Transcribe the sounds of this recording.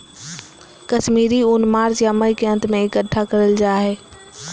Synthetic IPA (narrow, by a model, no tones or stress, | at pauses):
kɐʃmiːɾiʊnmaːɾd͡ʒjaməikeə̃nt̪mẽɪkəʈʰːakɐɾəld͡ʒaːɦeː